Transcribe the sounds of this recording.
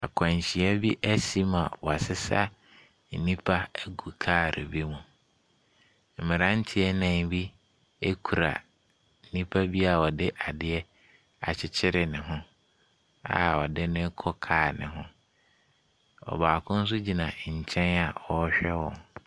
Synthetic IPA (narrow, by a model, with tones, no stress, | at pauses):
a̰˨kʰã˨ɲ˨ɕi˨ɛ˦bi˦ʔæ˦si˦mã˨wɔ˨a˨sɪ˦sa̰˦ | n̩˨nĩ˦pʰa˦ɡu˨kʰaː˦˨ɾʔḛ˨bi˦mũ˨ | m̩˨mɪ̃˨ɾã˦n˦tʰɪ˦ɛ˦nã˨ŋbi˦ | e˦kʰu˨ɾa̰˨ | n̩˨nĩ˦pʰa˦bi˦a˨wɔ˨dɪ˦ʔa˨dɪ˦ɛ˦ | a̰˨t͡ɕʰɪ˦t͡ɕʰɪ˦ɾɪ˨nɪ̃˨ɦʊ̃˦ | a̰˨ɔ˨dɪ˦nʊ̃˦kʰɔ˦kʰaː˨nɪ̃˨ɦʊ̃˦ | ɔ̰˨baː˨kʰʊ̃˦n̩˦s̬ʊ˦d͡ʑi˨nã˨ɲ̩˨t͡ɕʰɛ̃˦na˨ɔ˦ɕᶣɛ˦wɔ̃˨n